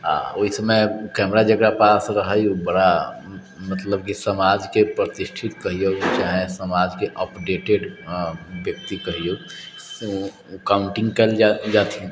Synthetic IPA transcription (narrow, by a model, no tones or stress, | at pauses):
ɦã̰oɦisəmekɛmɾad͡ʒəkɾapasɾəɦəjubəɽa | mət̪ləbkisəmad͡ʒkepɾət̪isʈʰit̪kəɦijot͡ʃaɦẽsəmad͡ʒkeʔəpɖeʈeɖ | bjək̚t̪ikəɦijo | kauɳʈĩŋɡkɛld͡ʒat̪ĩ